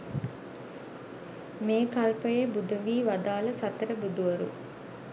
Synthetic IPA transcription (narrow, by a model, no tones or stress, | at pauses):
meːkɐlpəjebud̪ɐʋiːʋɐd̪aːlɐsɐt̪ɐɾəbud̪uʋɐɾṵ